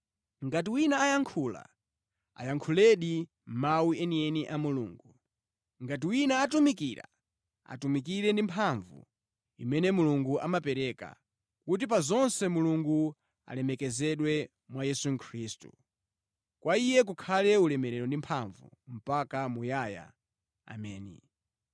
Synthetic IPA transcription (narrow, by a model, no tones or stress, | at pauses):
ŋɡat̬iwinaːjaŋkʰula̰ | a̰jaŋkʰulɛɗi | m̩mawiɛniɛniʔamulṵːŋɡu | ŋɡat̬iwinaːtumikiɾa̰ | a̰tumikiɾɛndimpʰaɱvṵ | imɛnɛmuluŋɡuʔamapɛɾɛka̰ | kut̬ip̬azɔnsɛmuluŋɡu | a̰lɛmɛkɛzɛɗwɛ | mwajɛsuŋkʰɾiːstu | kwaijɛk̬ukʰalɛulɛmɛɾɛɾɔndimpʰaɱvṵm̩pakamujaːja̰ | a̰mɛːnḭ